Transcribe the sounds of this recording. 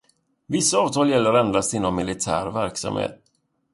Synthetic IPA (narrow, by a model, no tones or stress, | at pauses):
vɪsːaɑːvt̪ʰɑːljɛlːəɾɛnd̪ast̪ɪnːɔmːɪlɪt̪ʰæ̰ːɾvæɾksa̰mhḛːt̪̚